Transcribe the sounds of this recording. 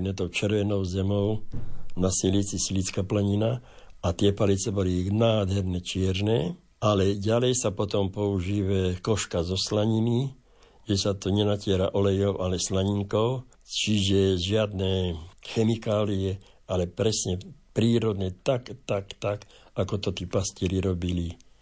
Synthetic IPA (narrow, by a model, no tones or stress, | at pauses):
nɛt̪ɔʊt͡ʃɛɾʋɛnɔʊzɛmɔʊnasilit͡sisilit͡skaplɛɲina | at̪ɪɛpalit͡sɛbɔlinaːd̪ɦɛɾnɛt͡ʃɪɛɾnɛː | alɛɟalɛjsapɔt̪ɔmpɔuʒiːʋɛkɔʃkazɔslaɲini | ʒɛsat̪ɔɲɛnacɪɛɾa̰ʔɔlɛjɔʊʔalɛslaɲiŋkɔʊ | t͡ʃiʒɛʒɪad̪nɛːxɛmikaːliɛ | alɛpɾɛsɲɛpɾiːɾɔd̪ɲɛt̪akt̪akt̪akakɔt̪ɔt̪iːpasciɾiɾɔbili